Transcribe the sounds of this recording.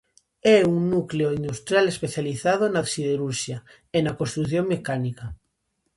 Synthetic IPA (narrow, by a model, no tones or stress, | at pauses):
ɛuŋnukleoind̪ust̪ɾjalespeθjaliθað̞onasiðeɾuɾʃja | enakonst̪ɾuθjoŋmekanika